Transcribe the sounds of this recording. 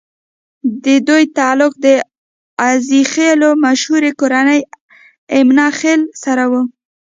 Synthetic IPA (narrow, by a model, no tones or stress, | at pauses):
d̪əd̪ujt̪ɑlʊk̚d̪ə | azixelomaʃhuɾekoɾanəj | ɪmnɑxelsaɾawu